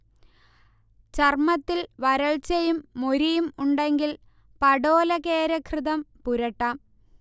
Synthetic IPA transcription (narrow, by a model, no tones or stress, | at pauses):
t͡ɕɐrmɐt̪ːilʋɐɾɐɭt͡ɕɐjumːo̞ɾijumuɳɖe̞ŋɡil | pɐɽoːlɐkeːɾɐkʰrɨðɐmpuɾɐʈːaːm